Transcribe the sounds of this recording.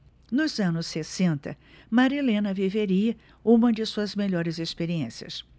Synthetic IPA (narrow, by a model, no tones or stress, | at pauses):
nʊzɐ̃nʊsːesẽnt̪ɐ̰ | maɾilẽnɐviveɾiɐ | ũmɐd͡ʒɪsuɐzmeʎɔɾɪzespeɾiẽsiɐ̰s